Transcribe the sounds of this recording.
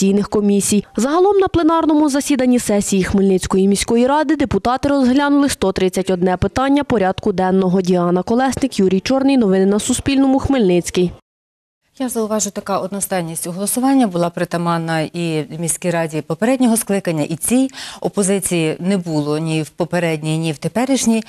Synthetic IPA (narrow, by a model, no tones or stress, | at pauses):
ijnɪxkɔmʲisʲijzɐɦɐlˠɔmnɐplˠenɑrnɔmʊzɐsʲid̪ɐnʲːisɛsʲijixmɪlʲnɪt͡sʲkɔjimʲisʲkɔjiɾɑd̪ɪd̪epʊt̪ɑt̪ɪɾɔzɦlʲanʊlˠɪst̪ɔt̪ɾɪt͡sʲːɐtʲɔd̪nɛpɪt̪ɑnʲːɐpɔɾʲɑd̪kʊd̪ɛnːɔɦɔdʲiɑnɐkɔlˠɛsnɪkjuɾʲijt͡ʃɔrnɪjnɔʋɪnɪnɐsʊspʲilʲnɔmʊxmɪlʲnɪt͡sʲkij | jazɐʊʋɑʒʊjʊt̪ɐkɑɔd̪nɔst̪ɑjnʲisʲtʲʊɦɔlˠɔsʊʋɑnʲːɐbʊlˠɑpɾɪt̪ɐmɑnɐimʲisʲkʲijɾɑdʲipɔpeɾɛdʲnʲɔɦɔsklˠɪkɐnʲːɐʔit͡sʲijɔpɔzɪt͡sʲijinɛbulˠɔnʲiwpɔpeɾɛdʲnʲijnʲiwt̪epɛɾɪʒnʲij